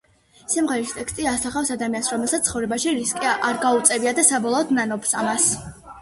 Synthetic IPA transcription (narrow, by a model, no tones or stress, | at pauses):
simʁɛɾist̪ʼɛkst̪ʼiasaχafsad̪amiansɾɔmɛlˠsat̪ʰχɔvɾɛbaʃiɾiskʼiʔaɾɡaut̪sʼɛbiad̪asabɔlˠɔːd̪nanɔpsamas